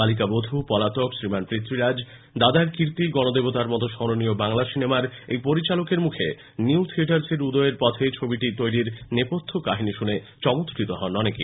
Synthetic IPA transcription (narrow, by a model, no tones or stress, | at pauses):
alik̬abod̪ʱupɔlat̪okʃɾimanpɾit̪ːɾiɾad͡ʑ | d̪ad̪aɾkiɾt̪iɡɔnod̪ebot̪aɾmɔt̪oʃɔɾoniobaŋlaʃinemaɾejpoɾit͡ɕalokeɾmukʰḛ | niut̪ʰieʈaɾseɾud̪ɔeɾpɔt̪ʰet͡ɕʰobiʈit̪ojɾiɾnepot̪ʰːokaɦiniʃune | t͡ɕɔmot̪kɾit̪oɦɔnɔnekḭ